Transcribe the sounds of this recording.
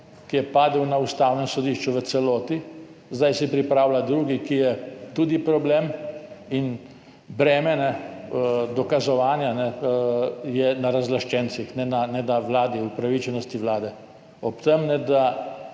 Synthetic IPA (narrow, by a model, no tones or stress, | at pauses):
kijɛpaːd̪əwnaust̪awnɛsɔd̪iʃt͡ʃuʋət̪sɛloːt̪izd̪ajsɛpɾipɾawlad̪ɾuːɡikijɛt̪ud̪ipɾɔbleːmin | bɾɛːmɛnɛ | d̪ɔkazɔʋaːnjanɛ | jɛnaɾazlaʃt͡ʃɛnt̪sixnɛnanɛd̪aʋlaːd̪iupɾaʋit͡ʃɛnɔst̪iʋlaːd̪ɛ | ɔpt̪ɛmnɛd̪a